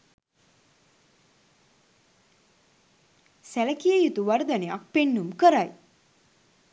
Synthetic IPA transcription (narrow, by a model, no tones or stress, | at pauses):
sæləkijəjut̪uʋɐɾd̪ənea̰k̚penːumkəɾaj